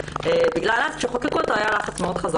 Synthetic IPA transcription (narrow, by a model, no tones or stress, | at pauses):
ebiɡlalazʃeχokekut̪oajalaχat͡smeod̪χaza